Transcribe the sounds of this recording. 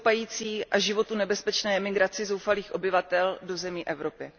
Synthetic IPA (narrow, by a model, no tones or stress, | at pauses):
pajiːt͡siːʔaʒɪvo̞t̪unɛbɛspɛt͡ʃnɛːɛmɪɡɾat͡sɪzo̞wfaliːxʔo̞bɪvat̪ɛldo̞zɛmiːʔɛvɾo̞pɪ